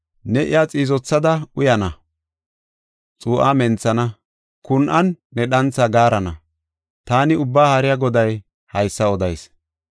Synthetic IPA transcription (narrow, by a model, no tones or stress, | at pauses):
nɛʔɪ̰jaːt͡sʼiːzɔt͡sːɐd̪ɐʔʊjɐnɐ | t͡sʼuːʔaːmɛnt͡sːɐnɐ | kʊnʔɐnːɛɗɐnt͡sːɐɡaːɾɐnɐ | t̪aːnɪʊbːaːhɐɾɪjɐɡɔd̪ɐj | hɐjsːɐɔd̪ɐjs